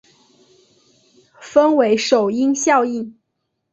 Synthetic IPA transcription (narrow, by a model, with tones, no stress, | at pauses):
fə˥nwe˧˥ɪʂo˨˩ʊi˥ŋɕjɑ˥˧ʊi˥˩n